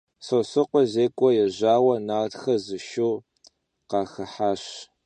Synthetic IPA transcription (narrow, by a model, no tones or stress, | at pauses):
sosɨqʷɔʑeːkʷʼɔjɛʑaːwɐnaːtxɐzɨʃow | qɑːxɐħaːɕ